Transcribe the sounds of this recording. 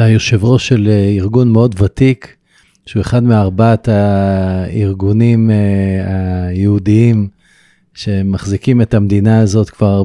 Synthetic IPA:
ajuʃevʁoʃe̞liʁɡunmeo̞d̪vatik | ʃeue̞χadmeaʁbat̪a | iʁɡunimajeud̪iim | ʃe̞maχzikime̞t̪amd̪inaːzo̞t̪kv̥aʁ

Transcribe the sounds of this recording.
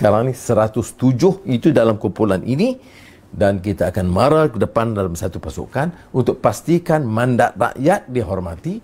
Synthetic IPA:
skaɾaŋnĩsəɾat̪ʊst̪ud͡ʒʊhit̪udalamkumpulanʔḭni | dankit̪aːkanmaɾakədəpandalamsat̪upasṵkan | unt̪ʊk̚past̪ikanmãndat̪̚ra̰ʔjat̪̚diɦɔrmat̪i

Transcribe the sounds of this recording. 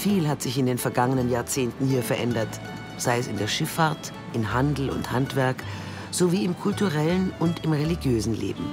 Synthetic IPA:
fiːlɦatz̥ɪçɪndeːnfɛɐɡaŋənənjaːɐt͡seːntn̩hiːɐfɛɐʔɛndɐt | z̥aɪəsɪndeːɐʃɪfaɐt | ʔɪnhandl̩ʊ̰nthantv̥ɛɐk | z̥oviːɪmkʰʊltuʁɛlənʊntɪmʁeliɡjøːzn̩lḛːbm̩

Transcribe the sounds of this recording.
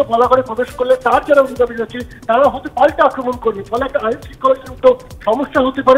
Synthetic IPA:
ɔbɔlakɔɽepɾɔbeʃɔ̥koɾilet̪aɾd͡ʒaɾaunid̪abid͡ʒat͡ʃʰit̪aɾaɦot̪ipalʈɔakɾɔmɔnkoɾinifɔleɛkːaajnsikːɔseʈ̪o | ʃɔmɔsːaɦot̪ipaɾe

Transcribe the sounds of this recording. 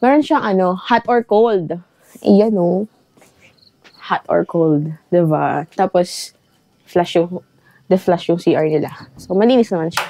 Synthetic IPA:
ŋɐɾonʃaŋʔɐno̞hat̪ʔoɹkowld̪ | ʔɛ̰jɐno | hat̪ɔ̰ɹkʰowld̪d̪ɪbat̪aːpos | flaʃjʊŋ | d̪ɐflaʃjʊŋsiːʔɐɹnɪla̰somɐliːnɪsnɐmanʃḁ

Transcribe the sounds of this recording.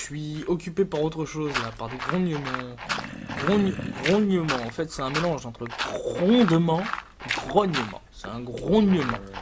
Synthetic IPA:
ʃɥiɔkʲypepaʁot̪χəʃozlapaʁd̪eɡʁɔ̃ɲjəmɑ̃ | ɡʁɔ̃ɲɡʁɔ̃ɲəmɑ̃ɑ̃fɛt̪sɛt̪ɛ̃melɑ̃ʒɑ̃t̪χəɡʁɔ̃d̪mɑ̃ | eɡʁɔɲəmɑ̰̃sɛt̪ɛ̃ɡʁɔ̃ɲəmɑ̰̃

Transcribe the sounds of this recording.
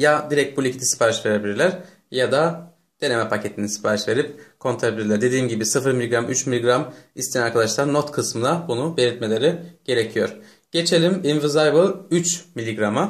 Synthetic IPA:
jad̪iɾɛc̚t̪̚bulʲict̪isi̥pʰaːɾiʃve̞ɾebilʲiɾlʲæɾ̥ | jad̪a | d̪̥e̞nemɛpʰacʰe̞t̪ʰinisi̥pʰaːɾiʃve̞ɾip̚kʰo̞nt̪ʰaɾebilʲiɾlʲæɾd̪e̞d̪iːmɟibisɯfɯɾmilʲiɡɾamyt͡ʃmilʲːiɡɾamist̪ʰeænaɾkʰad̪aʃlˠaɾno̞t̪kʰɯsmɯd̪abunube̞lʲiɾt̪̚me̞lʲe̞ɾɪɟ̥e̞ɾe̞cʰijo̞ɾ̥ | ɟ̥e̞t͡ʃʰe̞lʲiminvɯzajvɯlˠyt͡ʃmilʲːiɡɾamɯ

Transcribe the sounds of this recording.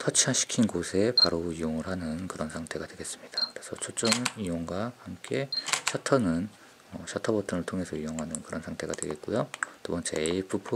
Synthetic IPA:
tʰʌt͡ɕʰiaɕʰi̥kʰinɡosʰe̞paɾoijoŋɯɭɦanɯnkɯɾʌnsʰaŋtʰe̞ɡadwe̞ɡe̞s͈ɯmɲid̥akɯɾe̞sʰʌt͡ɕʰot͡ɕ͈ʌmijoŋɡwahamk͈e̞ɕʰatʰʌnɯn | ʌɕʰatʰʌbʌtʰɯŋɯɭtʰoŋe̞sʰʌijoŋɦanɯnkɯɾʌnsʰaŋtʰe̞ɡadwe̞ɡe̞t̚k͈ujot͈obʌnt͡ɕ͈eipʰupʰo

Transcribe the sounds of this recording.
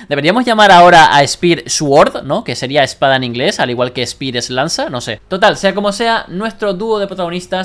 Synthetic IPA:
d̪e̞βiamo̞zʝamaɾao̞ɾaʔa̰espiɾswoɾðno̞ke̞se̞ɾiaespaðaenĩŋɡle̞saliɣwalke̞ːspiɾeslansano̞se̞t̪o̞t̪alse̞ako̞mo̞se̞anwe̞st̪ɾo̞d̪uo̞ðepɾot̪aɣo̞nist̪a

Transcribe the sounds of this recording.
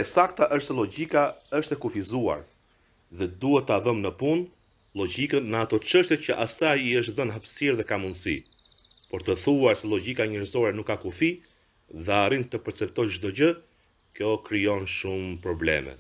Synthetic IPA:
ɛsak̚t̪aʔəʃt̪sɛlɔɟikaəʃt̪ɛkufizua̰ɾ | ðɛd̪uhɛt̪ːəaðɔmnəpun | lɔɟikənəat̪ɔt͡ʃəʃt̪jɛcəʔasajiəʃ̬t̪ðənɦəpsiɾðɛkamund̪sḭ | pɔɾt̪əθuaɾsɛlɔɟikaɲɛɾzɔɾɛnukːakufi | ðɛaɾint̪əpɛɾt͡sɛp̚t̪ɔjt͡ʃd̪ɔɟə | kjɔkɾijɔnʃumpɾɔblɛ̰mɛ̰

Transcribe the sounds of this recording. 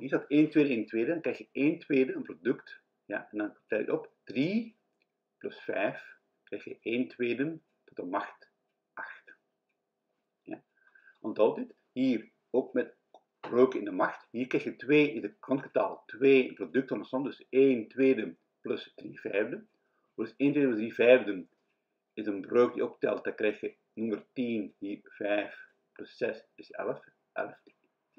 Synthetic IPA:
ɦiːɹzɑteːntʋeːdənɪnətweːdədɑŋkɾrɛjxjəʔeːntʋeːdəənprodɵkt | ja̰ʔɛndɑntɛlɪ̰kɔpd̥ri | plɵsfɛ̰jf | krɛjxjə̰ʔeːntʋeːdən | tɔtəmɑxt | ʔaxt | ja̰ | ɔndɑlˠtit | ɦiːr | oːkmɛt | b̥røːkɪ̰ndəmaɹxtɦiːrkrɛjxjətʋeːʔɪzətkɾɑntkəta̰ːlˠtʋeːprodɵk̚tənəsɔndɵseːntweːdə | plɵsd̥rivɛjvdə | əseːntweːdəməzdrivɛjvdən | ɪsənbrøːk̚dḭop̚tɛ̰lˠt̚d̥akrɛjxjə | nɵmərtinhiːrv̥ɛjf | plɵsːɛsɪsɛ̰ləf | ʔɛ̰ləf

